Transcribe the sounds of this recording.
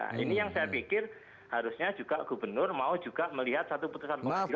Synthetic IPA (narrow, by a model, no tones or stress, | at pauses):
a̰ʔḭnijaŋsajapikɪr | haɾusɲad͡ʒuɡaʔɡ̥ubərnʊrmaud͡ʒuɡ̥aʔməliɦat̪̚sat̪uput̪usanə